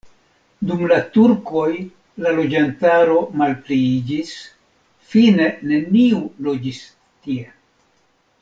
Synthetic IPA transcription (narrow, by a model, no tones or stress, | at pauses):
dumlatuɾko̞j | lalo̞d͡ʒantaɾo̞malpliid͡ʒis | fine̞ne̞niulo̞d͡ʒis | tie̞